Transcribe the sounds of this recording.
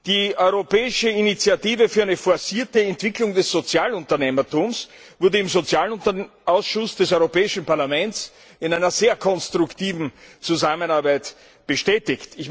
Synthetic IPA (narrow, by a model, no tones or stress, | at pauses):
d̥iːʔɔʏʁopɛːɪʃəinit͡sjatiːvəfyːɐæɪnəfɔɐsiːɐtəɛntv̥ɪklʊŋdɛsz̥ot͡sjaːlʊntɐneːmɐtuːms | v̥ʊɐdəɪmzot͡sjaːlɐʔaʊsʃʊsd̥ɛsɔʏʁopɛːɪʃn̩paɐlamɛnt͡s | ɪnæɪnɐzeːɐkʰɔnstʁʊktiːvn̩t͡suzamənaɐbæɪt | b̥əʃtɛːtɪçtɪç